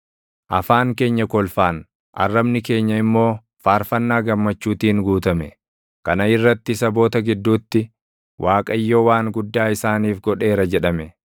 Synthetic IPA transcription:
ʔɐfaːŋke̞ːɲːɐkɔlfaːn | ʔɐ̰rːɐbnɪke̞ːɲːɐɪmːo̞ː | faːɾfɐnːaːɡɐmːɐt͡ʃːuːt̪iːŋɡuːt̪ɐmɛ | kɐnɐɪrːɐt̪ːɪsɐbo̞ːt̪ɐɡɪd̪ːuːt̪ːɪ | wʔaːkʼɐjːoːwaːŋɡʊd̪ːaːɪsaːniːfɡɔᶑe̞ːɾɐd͡ʒɛᶑɐmɛ

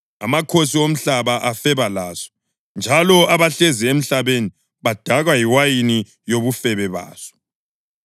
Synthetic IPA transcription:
a̰makʰosiom̩ɬaβaʔafɛβalaːsɔ̥ | nd͡ʒʱalɔaβaɬeziem̩ɬaβeni | βad̥ʱaɣwajiwajini | joβufɛβɛβa̰ːsɔ̥

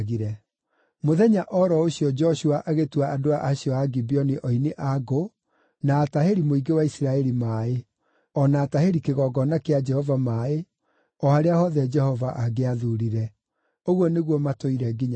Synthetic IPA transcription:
ɣiɾɛ | moðɛɲaʔɔɾɔoɕjɔd͡ʒɔɕuaʔaɣetwaʔadoaʔaɕiɔaɡibiɔniʔɔineʔaɡo | naːtaheɾimoiɡewaisiɾaɛɾimaːe | ɔnaːtaheɾikeɣɔɡɔnakead͡ʒɛhɔvamaːe | ɔhaɾeahɔðɛd͡ʒɛhɔvaʔaɡeaðuɾiɾɛ | oɣwɔneɣwɔmatoiɾɛɡiɲa

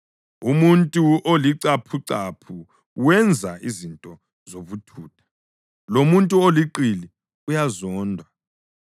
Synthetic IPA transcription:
umuntʼuoliǀapʰuǀapʰu | wɛnd͡zʱaizintʼɔ | zoβutʰuːtʰḁ | lomuntʼuoliǃili | ujazɔːndʱwa

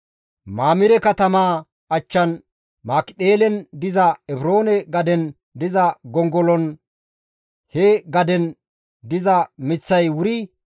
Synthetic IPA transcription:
maːmɪɾɛkɐt̪ɐmaː | ɐt͡ʃːɐn | maːkɪt̪ʼeːlɛnd̪ɪzɐɛbɾo̞ːnɛɡɐd̪ɛn | d̪ɪzɐɡɔŋɡɔlɔn | hɛɡɐd̪ɛn | d̪ɪzɐmɪt͡sːɐjwʊɾi

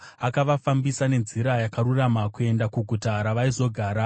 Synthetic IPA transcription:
akaʋafambisane̞nziɾajakaɾuramakue̞ndakuɡʱutaɾaʋaizo̞ɡʱaːɾa

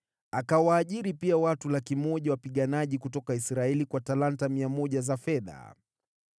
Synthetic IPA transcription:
akawaːʄiɾipiawatulakimɔʄawapiɠanaʄikutɔkaisɾaɛlikwatalantamiamɔʄazafɛða̰

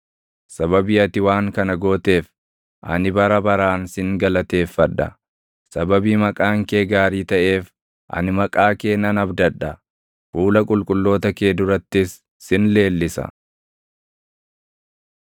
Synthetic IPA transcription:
sɐbɐbɪjɐt̪ɪwaːŋkɐnɐɡoːt̪e̞ːf | ʔɐ̰nɪbɐɾɐbɐɾaːnsɪŋɡɐlɐt̪e̞ːfːɐᶑɐ̰ | sɐbɐbiːmɐkʼaːŋke̞ːɡaːɾiːt̪ɐʔe̞ːf | ʔɐ̰nɪmɐkʼaːke̞ːnɐnɐbd̪ɐᶑːɐ | fuːlɐkʼʊlkʼʊlːo̞ːt̪ɐke̞ːd̪ʊɾɐt̪ːɪsː | ɪnle̞ːlːɪsɐ̰

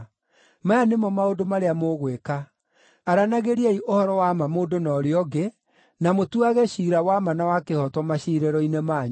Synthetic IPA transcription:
majanemɔmaodomaɾeamoɣwekaː | ɾanaɣeɾeaiʔohɔɾɔwamamoːndonɔɾeɔɡe | namotuaɣɛɕiɾawamanawakehɔtwɔmaɕiɾɛɾɔinemaɲ

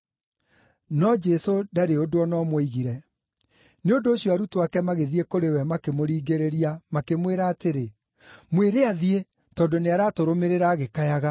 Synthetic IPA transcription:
nɔd͡ʒɛsodaɾeodoɔnɔmwɔiɣiɾɛ | neondoːɕjɔaɾutoakɛmaɣeðiekoɾewɛmakemoɾiːɡeɾeɾiamakemweɾaːteɾe | mweɾeaðie | tɔːndoneaɾaːtoɾomeɾeɾaːɣekajaɣa

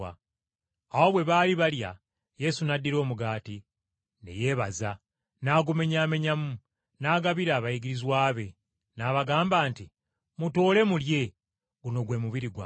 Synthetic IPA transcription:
a | awo̞βwe̞βaːliβalja̰ | je̞sunadːiɾo̞ːmuɡaːti | nḛje̞ːβaza | naːɡume̞ɲaːme̞ɲamu | naːɡaβiɾaːβaiɡiɾizwaːβe̞ | naːβaɡaːmbaːnti | muto̞ːle̞mulje̞ | ɡuno̞ɡwe̞muβiɾiɡwa̰

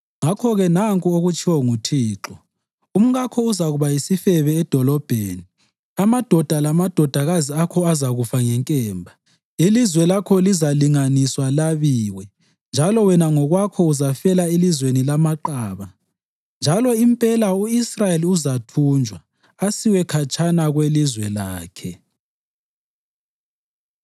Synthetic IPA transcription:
ŋakʰɔɣɛnaŋkʼuoɣut͡ʃʼʰiwɔŋutʰiːǁɔ | um̩ɣakʰɔuzaɣuβajisifɛβɛːd̥ʱɔlɔb̥ʱeːni | amad̥ʱɔd̥ʱalamad̥ʱɔd̥ʱaɣaziakʰɔazaɣufaŋɛŋkʼɛːmbʱa | ilizwɛlakʰɔlizaliŋaniswalaβiːwɛ | nd͡ʒʱalɔwɛnaŋɔɣwakʰɔuzafɛlaelizwenilamaǃaːβa | nd͡ʒʱalɔimpʼɛlauisrajeliuzatʰuːnd͡ʒʱwa | asiwɛkʰat͡ʃʰʼanaɣwelizwɛlaːkʰɛ

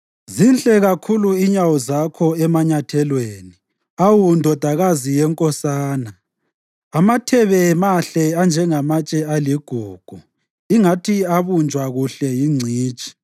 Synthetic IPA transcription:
zinɬʼɛɣakʰuluiɲawɔzakʰɔɛmaɲatʰɛlweːni | awundʱɔd̥ʱaɣazijɛŋkʼɔsaːnaː | matʰɛβɛmaɬɛand͡ʒʱɛŋamat͡ʃʼɛaliɡ̥ʱuːɡ̥ʱu | iŋatʰiaβund͡ʒʱwaɣuɬɛjiŋ͡ǀʱiːt͡ʃʼi̥

